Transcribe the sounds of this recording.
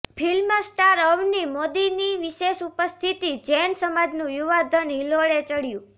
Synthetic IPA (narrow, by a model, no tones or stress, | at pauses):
pʰilməsʈaɾəʋnimod̪iniʋiʃeʃupəst̪ʰit̪id͡ʒɛnsəmad͡ʒnũjuʋad̪ʱənɦiloɭet͡ʃəɽjũ